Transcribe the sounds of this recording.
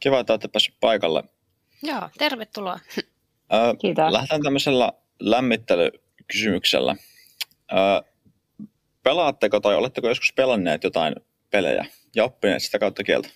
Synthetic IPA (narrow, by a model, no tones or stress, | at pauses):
kiʋɑt̪ːˑæt̪ːepːæsy̥ppɑikɑlːḛ | joːt̪erʋet̪ːuloɑ | əːt̪læht̪ænt̪æmːøselːɑ̰ | læmːit̪ːelø̰ | kysymyksḛlːæ̰ | əː | pelɑːt̪ːekot̪ɑjolet̪ːekojo̞skuspelɑnːeːt̪jot̪ɑin | pelḛjæ̰ | jɑopːinḛːt̪si̥t̪ækɑˑut̪ːɑkielt̪æ̥